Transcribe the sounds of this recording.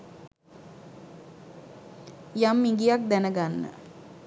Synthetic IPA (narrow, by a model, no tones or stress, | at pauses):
jamːiŋɡijak̚d̪ænəɡanːə̰